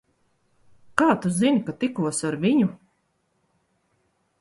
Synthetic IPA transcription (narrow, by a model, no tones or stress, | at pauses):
kaːt̪uzinkat̪ikuɔsaɾvʲiɲu